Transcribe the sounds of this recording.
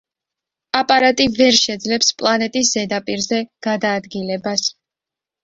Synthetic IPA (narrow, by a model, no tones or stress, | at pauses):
apʼaɾat̪ʼivɛɾʃɛd̪zlɛpspʼlˠanɛt̪ʼis̬z̥ɛd̪apʼiɾzɛɡ̥ad̪aːd̪ɡilɛbas